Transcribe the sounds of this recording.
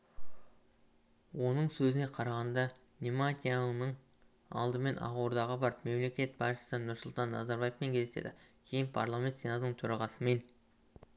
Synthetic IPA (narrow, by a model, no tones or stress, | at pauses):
wo̞nəɴsɵzɪne̞qʰɑɾɑʁɑnd̪ɑ | nʲemat̪ʲijanəɴ | ɑ̰lˠd̪əme̞nʔɑ̰ʁoɾd̪ɑʁəbɑɾəpme̞mle̞kʲe̞t̪̚pʰɑsʃə̥sənʊɾsʊlˠt̪ɑnːa̰zaɾbajefpeŋkʲʰe̞zet̪ḛd̪ɪ̰kʲʰe̞jɪnpʰa̰rlˠamʲe̞nt̪se̞nat̪ənəɴt̪ʰɵɾɑʁɑsəme̞n